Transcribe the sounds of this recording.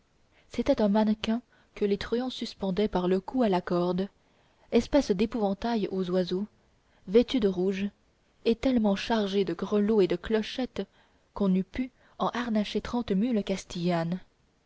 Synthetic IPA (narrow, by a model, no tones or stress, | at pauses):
set̪ɛt̪ɛ̃mankɛ̃ | kəlet̪χyɔ̃syspɑ̃d̪ɛpaʁləkualakɔʁd̪ | ɛspɛsd̪epuvɑ̃t̪ajozwazo | vɛt̪yd̪əʁuʒ | et̪ɛlmɑ̃ʃaʁʒed̪əɡʁəloed̪əklɔʃɛt̪ | kɔ̃nypy | ɑ̃ʔaʁnaʃet̪χɑ̃t̪mylkast̪ijan